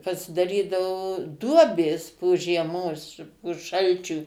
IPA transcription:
pɐsʲɪdɐˈrʲiːdɐʋoː ˈduɔbʲeːs poː ʒʲiɛˈmoːs poː ˈʃɐlʲt͡ʃʲuː

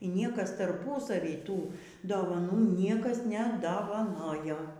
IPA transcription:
iː ˈnʲiɛkɐs tɐrˈpʊsɐʋʲiː ˈtuː doːʋɐˈnuː ˈnʲiɛkɐs nʲɛdɐʋɐˈnoːjoː

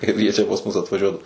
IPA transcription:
ˈkɐɪp jiɛ ˈt͡ʃʲɛ pɐs ˈmʊs ɐtʋɐˈʒʲuɔdɐ

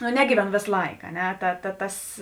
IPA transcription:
nʊ ˈnʲæːɡʲiːʋʲɛˌnoː ˈʋʲeːs ˈlˠɐɪk ɐ ˈnʲɛ ˈtɐ tɐ ˈtɐs

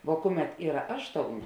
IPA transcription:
ʋoː ˈkʊˌmʲɛt ˈiːrɐ ˈɑːʃˌtoːʊˌnʲeː

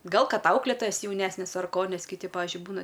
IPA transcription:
ˈɡɐlˠ ˈkɐt ˈɐʊklʲeːtoːjɛs jɛʊˈnʲæːsʲnʲɛs ɐr ˈkoː ˈnʲɛs kʲɪˈtʲɪ ˈpɑːʋʲɪʒʲʊɪ ˈbuːnɐ

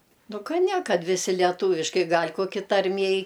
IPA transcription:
ˈnʊ ˈkɐ ˈnʲɛ ˈkɐt ʋʲɪˈsʲɪ lʲɛˈtuːʋʲɪʃkɐɪ ˈɡɐlʲ koːˈkʲɪ tɐrʲˈmʲiɛj

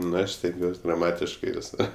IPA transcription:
nʊ ˈɐʃ sʲtʲɛŋʲˈɡʲuɔsʲ ɡrɐˈmɑːtʲɪʃkɐɪ ʋʲɪˈsoːr

